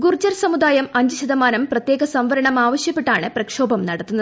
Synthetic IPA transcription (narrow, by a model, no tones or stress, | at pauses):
ɡurt͡ɕɐrsɐmud̪aːjɐmɐɲd͡ʑiɕɐðɐmaːnɐmprɐt̪jeːɡɐsɐmʋɐɾɐɳɐmaːʋɐɕjɐpːeʈːaːɳɨprɐkʂo̞ːbɐmnɐɽɐt̪ːunːɐð